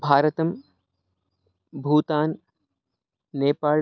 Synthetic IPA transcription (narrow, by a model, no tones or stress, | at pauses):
bʱaːɾɐt̪ɐm | bʱuːt̪aːn | eːpaː